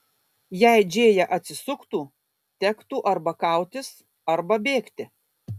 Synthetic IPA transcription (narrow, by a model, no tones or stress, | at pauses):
jɛɪd͡ʒʲeːjɛʔɐt̪ʲsʲɪsʊkt̪uː | t̪ʲɛkt̪uːʔɐɾbɐkɑˑʊt̪ʲɪs | ɐɾbɐbʲeːkt̪ʲɪ